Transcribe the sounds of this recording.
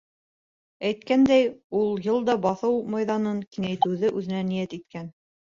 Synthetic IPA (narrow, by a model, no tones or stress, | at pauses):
æjt̪kænd̪æjulˠjɤlˠd̪ɑbɑθɤwmɑjðɑnɤŋkiŋæjt̪ɘ̆wðɘʔʉðɘ̆nænijæt̪it̪kæn